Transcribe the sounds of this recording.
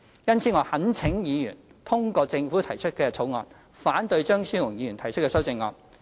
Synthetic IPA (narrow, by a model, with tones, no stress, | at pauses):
jɐ˥nt͡sʰiː˨˥ŋɔː˨˧hɐ˨˥nt͡sʰɪ˨˥ŋjiː˨˧jyː˨˩nt̪ʰʊ˥ŋkɔː˧t͡sɪ˧ŋfuː˨˥t̪ʰɐ˨˩jt͡ʃʰɵ˥t̚kɛː˧t͡sʰo˨˥wŋɔː˨˧n | faː˨˥nt̪ɵ˧ɥt͡ʃœː˥ŋsyː˥ŋʊ˨˩ŋjiː˨˧ɥy˨˩t̪ʰɐ˨˩jt͡ʃʰt̚kɛː˧sɐ˥wt͡sɪ˧ŋːɔ̰ː˨˧n